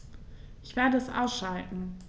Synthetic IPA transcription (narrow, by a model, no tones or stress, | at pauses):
ʔʔɪçv̥eːɐdəɛsʔa̰ʊsʃaltn̩